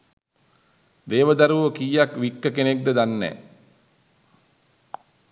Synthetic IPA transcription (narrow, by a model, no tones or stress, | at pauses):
d̪eːʋəd̪aɾuʋəkiːjakʋikːəkenek̚d̪əd̪anːɛ̰ː